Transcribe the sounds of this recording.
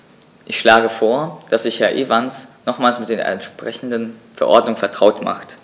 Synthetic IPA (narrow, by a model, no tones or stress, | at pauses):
ʔɪçʃlaːɡəfoːɐd̥asz̥ɪçhɛɐʔeːvansnɔχmaːlsmɪt̚d̥eːɐɛ̰ntʃpʁ̥ɛçn̩dənfɛɐʔɔ̰ɐdnʊŋfɛɐtʁ̥aʊtma̰χt